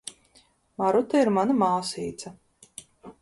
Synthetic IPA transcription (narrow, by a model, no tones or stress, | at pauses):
maɾut̪aiɾmanamaːsiːt̪sɐ